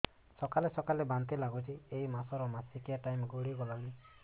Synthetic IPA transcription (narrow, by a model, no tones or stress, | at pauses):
sɔkalesɔkalebant̪ilaɡɔt͡ʃʰiejmasɔɾɔmasikiaʈajmɡuɽiɡɔlali